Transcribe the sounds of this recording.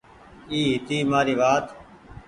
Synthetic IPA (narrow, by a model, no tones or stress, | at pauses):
iːɦɪt̪iːmaːɾiːʋaːt̪